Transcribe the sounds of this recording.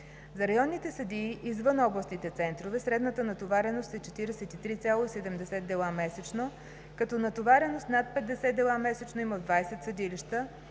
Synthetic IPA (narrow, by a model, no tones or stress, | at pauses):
zɐɾɐjɔnːit̪ɛsɐd̪iːʔizvɤnɔblˠɐst̪nit̪ɛt̪sɛnt̪ɾovɛsɾɛd̪nət̪ənɐt̪ovaɾɛnost̪ɛt͡ʃɛt̪iɾɛsɛt̪it̪ɾit̪sʲjalˠoisɛd̪ɛmd̪ɛsɛd̪̚d̪ɛlˠamɛsɛt͡ʃno | kɐt̪ɔnɐt̪ovaɾɛnost̪nat̪̚pɛd̪d̪ɛsɛd̪d̪ɛlˠamɛsɛt͡ʃnoiməd̪vajsɛt̪səd̪iliʃt̪ə